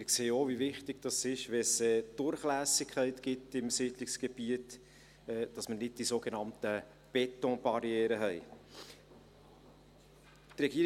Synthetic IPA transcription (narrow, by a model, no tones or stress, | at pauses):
ɪkseːəovivɪχtɪɡ̥d̥ɑsɪʃʋɛsɛːd̥ʊɾχlæːsɪkʰχɛɪtɡ̥ɪtɪmsiːdlɪksɡ̥eb̥iət | ɛːd̥ɑsmənɪd̚d̥isoːɡenɑmtə | b̥ɛtɔ̃b̥ɑɾiɛːɾəɦɛɪ | t̪rɛɡiːəɾ